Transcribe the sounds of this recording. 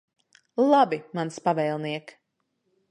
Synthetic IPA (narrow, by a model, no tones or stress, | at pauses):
lˠabimanspavɛːlˠniɛk